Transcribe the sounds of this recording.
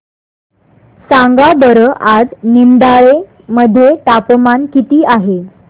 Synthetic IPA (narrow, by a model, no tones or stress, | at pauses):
saŋɡabəɾəʔad͡znind̪aɭe | məd̪ʱjeʈapmankit̪iːaɦe